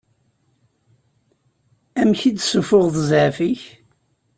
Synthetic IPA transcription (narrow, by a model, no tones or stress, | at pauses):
æmçid̪sufʊʁðəzʕfiç